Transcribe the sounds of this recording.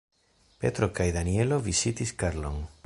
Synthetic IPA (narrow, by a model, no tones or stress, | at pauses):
pḛt̪ɾokajðanieloβisit̪iskaɾlo̰ŋ